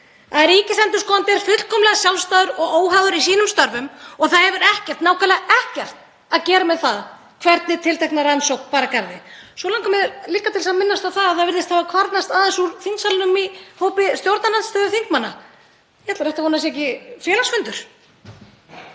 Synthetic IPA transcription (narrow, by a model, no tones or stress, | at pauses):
θaðɾiːcɪsθɛnt̪ʏ̥skɔnt̪ɛɾ̥fʏt̪l̥kʰɔmlɛɣasjawlst̪aːðʏɾɔɣoːwɦaðʏɾisiːnʏmst̪œɾvʏmɔɣθaðhɛvʏɾɛhcɛr̥t̪naːwkʰalɛɣɛhcɛr̥t̪̚ | aðcɛːɾamɛðθað | kʰvɛɾt̪nɪt̪ʰɪlt̪ʰɛknaɾansowknpaːɾakaɾðɪsɔlaŋkamɛɾliːkːat̪ʰɪlsaðmɪnːast̪awθaðaðθaðvɪɾðɪst̪havakʰvaɾt̪nast̪aðɛnsuɾθiŋksalʏnʏmihoːwpɪst̪jowɾt̪nananst̪œːðʏθiŋkmanːa̰ | jɛhɛt̪laɾɛht̪ahɔːnas̬ɛcɪfjɛːlasfʏnt̪ʏɾ̥